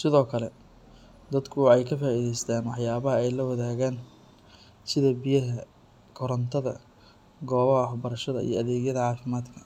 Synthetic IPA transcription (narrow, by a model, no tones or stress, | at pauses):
sɪðɔːkʰɐlɛ | d̪ɐd̪kʰʊɛjkʰɐfaːiðɛjst̪ʰaːnwɑħjaːβɐɦɐɛjlɐwɐðaːɣaːn | sɪðɐbijɐɦɐ | kʰɔɾɐnt̪ʰɐðɐ̰ | ɡɔːβɦħbɐɾɐʃɐðɐḭjɞɐðeːɣjɐðɐʕɑːfɪmaːd̪kʰɐ̥